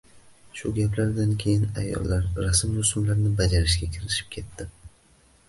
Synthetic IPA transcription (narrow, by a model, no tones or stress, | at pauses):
ʃʊɡʲaplaɾd̪ankʲʰe̞jɪna̰jːɒ̰lːaɾɾasɪmd̪ʊsʊmlaɾnɪbad͡ʒaɾɪʃɡʲakʲʰɪɾɪʃɪ̥p̚kʲʰe̞t̪ːɪ